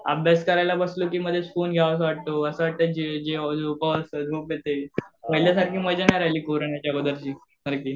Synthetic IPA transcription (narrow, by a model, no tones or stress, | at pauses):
ə̰bʱjaskəɾajlabəslokiːməd̪ʱjesfonɡʱjaʋəs̬ʋaʈ̚t̪oəsəʋaʈ̚t̪əd͡ʑed͡ʑeupəʋəsəd͡zʱopjet̪eməɦiljasaɾkiːməd͡ʑenajɾailiːkoɾoɳjat͡ɕjakod̪əɾt͡ɕiː | səɾkiː